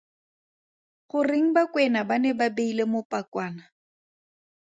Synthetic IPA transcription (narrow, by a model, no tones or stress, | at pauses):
χʊrɪŋ̩bakʼwɛnabanɛbabeilemʊpʼakwaːna